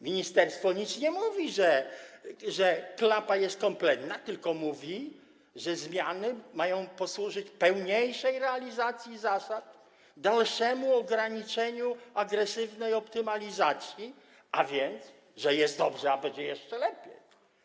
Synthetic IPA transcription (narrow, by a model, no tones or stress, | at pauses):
mʲiɲist̪ɛɾst̪fɔɲit̪sɲɛmuvʲiʐɛ | ʐɛklapajɛst̪̚kɔmplɛt̪nat̪ɘlkɔmuvʲi | ʐɛzmʲjanɘmajɔ̃w̃pɔswuʐɘt͡ɕpɛwɲejʂɛjɾɛalʲizat̪sʲjizasat̪̚ | d̪alʂɛmuɔɡɾaɲit͡ʂɛɲuaɡɾɛsɘvnɛjɔpt̪ɘmalʲizat̪sʲji | avʲjɛnt̪s | ʐɛjɛst̪d̪ɔbʐɛabɛd͡ʑɛjɛʂt͡ʂɛlɛpʲjej